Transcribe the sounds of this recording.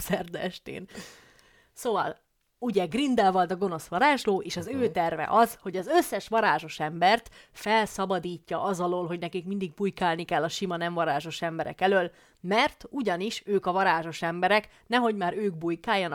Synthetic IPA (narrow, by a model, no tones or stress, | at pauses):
sɛrd̪ɛʃt̪ḛːn | soːvɒ̰l | uɟɛɡrind̪ɛlvɒlt̪ɒɡo̞no̞sʋɒɾaːʒloːʔeːʃɒzøːt̪ɛrvɛ̰ʔɒzho̞ɟɒzøsːɛʃʋɒɾaːʒo̞ʃɛmbɛrt̪fɛlsɒbɒd̪iːcːɒʔɒzɒloːlɦo̞ɟnɛkikmind̪iɡ̚bujkaːlnikɛlːɒʃimɒnɛɱvɒɾaːʒo̞ʃɛmbɛɾɛ̰kɛløːl | mɛrt̪uɟɒniʃøːkɒvɒɾaːʒo̞ʃɛmbɛɾɛk | nɛɦo̞ɟmaːɾøːɡbujkaːjːɒn